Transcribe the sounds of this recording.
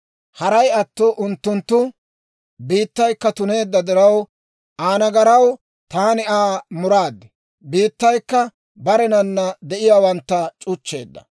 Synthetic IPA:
hɐɾɐjɐt̪ːɔʔʊnt̪ːʊnt̪ːʊ | biːt̪ːɐjkːɐt̪ʊne̞ːd̪ːɐd̪ɪɾɐw | ʔaːnɐɡɐɾɐw | t̪aːnɪaːmʊɾaːd̪ːɛ | biːt̪ːɐjkːɐ | bɐɾɛnɐnːɐd̪ɛʔɪjaːwɐnt̪ːɐt͡ʃʼʊt͡ʃːe̞̰ːd̪ːɐ̰

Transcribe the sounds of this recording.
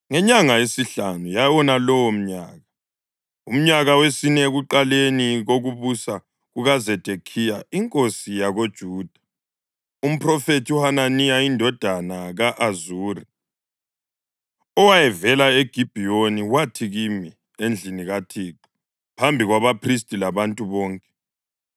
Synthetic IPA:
ŋɛɲaŋaesiɬanujajwɔnalɔwɔm̩ɲa̰ːɣa | um̩ɲaɣawesinɛɣuǃaleniɣoɣuβusa | ɣuɣazɛd̥ʱekʰijaiŋkʼosijaɣod̥ʒ̥ʱuːd̥ʱḁ | um̩pʰrɔfetʰiuhananijaindʱɔd̥ʱanaɣaʔazuːri | ɔwajɛvɛlaeɡ̥ʱib̥ʱijoniwatʰiɣimi | end͡ɮʱiniɣatʰiːǃi | pʰambʱiɣwaβapʰris̬tʼilaβantʼuβɔːŋkʼɛ̥

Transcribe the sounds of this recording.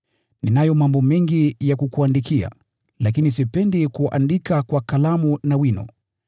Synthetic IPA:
ninajɔmambɔmɛŋɡijakukuandikia̰ | lakinisipɛndikuʔa̰ndikakwakalamunawinɔ̰

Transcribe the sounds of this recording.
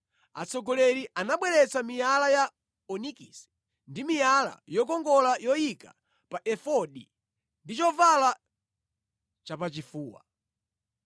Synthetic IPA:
a̰t͡sɔɡɔlɛɾiʔanaɓwɛɾɛt͡samijalaja | ɔnikis | ndimijala̰jɔkɔŋɡɔlajɔjika̰ | paʔɛfɔɗi | ndit͡ʃɔvala | t͡ʃapat͡ʃifuːwa̰

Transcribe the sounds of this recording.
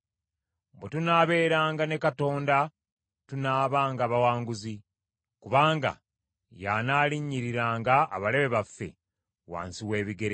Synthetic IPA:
bwetunaːβe̞ːɾaːŋɡane̞kato̞ːnda | tunaːβaːŋɡaːβawaːŋɡuzi | kuβaːŋɡa̰ | janaːliɲːiɾiɾaːŋɡa̰ːβale̞βe̞βafːe̞̰ | wa̰ːnsiwe̞ːβiɡe̞ɾe

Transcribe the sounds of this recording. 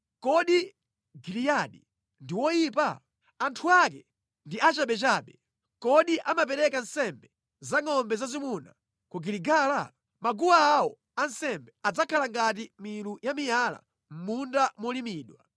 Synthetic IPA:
kɔɗi | ɡilijaɗḭ | ndiwɔjiːpa̰ | antʰuak̬ɛ | ndiat͡ʃaɓɛt͡ʃaːɓɛ | kɔɗiʔamapɛɾɛkan̩sɛmbɛ | zaŋɔmbɛzazimuna̰ | kuɡiliɡaːla | maɡuwaːwɔ | ansɛmbɛad͡zakʰalaŋɡat̬imilujamijala̰ | m̩mundamɔlimiːɗwa̰

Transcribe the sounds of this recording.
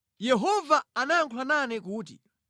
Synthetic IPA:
jɛɦɔvaanaŋkʰwananɛkuːt̬ḭ

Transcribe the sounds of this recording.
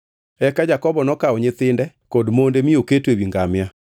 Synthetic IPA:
ɛkad͡ʒakɔβɔnɔkaoɲeθendɛ | kondomondemioketwewiŋɡamja

